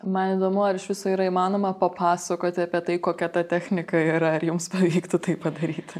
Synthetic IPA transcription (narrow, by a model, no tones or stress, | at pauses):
mɐniːd̪oːmʊɐɾɪʃʋʲɪsoːiɾɐɪmɑːnoːmɐpɐpɑːsɐkoːt̪ʲɪɐːpʲiɛt̪ɐɪkoːkʲɛt̪ɐt̪ʲæxʲnʲɪkɐiɾɐɐɾjʊmspɐʋʲiːkt̪ʊt̪ɐɪppɐd̪ɐɾʲiːt̪ʲ